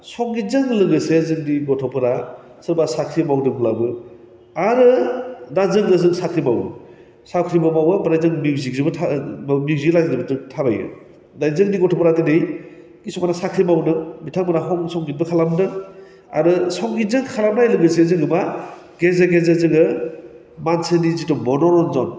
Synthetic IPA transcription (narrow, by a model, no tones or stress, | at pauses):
sɔŋɡitzɯŋlɯŋɡɯsezɯŋdiɡɔtʰɔpʰɯɾa | sɯɾbasakʰɾimawdɯɡulabɯ | aɾɯdazɯŋɯzɯŋsakʰɾimawɯ | sakʰɾimamawɯbaɾajzɯŋmiziɡzɯbɯtʰamiwzilazdɯbɯzɯŋtʰabajɯ̰ | dajzɯŋniɡɔtʰɔpɾatinɯj | kisɔmanasakʰɾimawnɯmitʰaŋbanaɦɔŋsɔŋɡit̚bɯkʰalamnɯ | a̰ɾɯsɔŋɡitzɯŋkʰalamnajlɯŋɯsizɯŋɯma | ɡezaɡezazɯŋɯ | mansenizitɔbɔnɔɾɔnzɔn